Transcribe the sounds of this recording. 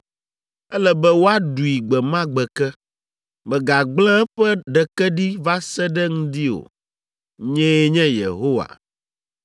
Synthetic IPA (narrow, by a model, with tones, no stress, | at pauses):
ɛ˦lɛ˦bɛ˦wo˦a˦ɖu˨i˨ɡ͡bɛ˨mã˦ɡ͡bɛ˨kɛ˦ | mɛ̃˨ɡa˨ɡ͡blɛ̃˦ɛ˦ɸɛ˦ɖɛ˨kɛ˦ɖi˦va˦sɛ˦ɖɛ˦ŋũ˦d̪i˦o̰˨ | ɲɛ̃˦ɲɛ̃˦jḛ˨ɦo˦wa̰˨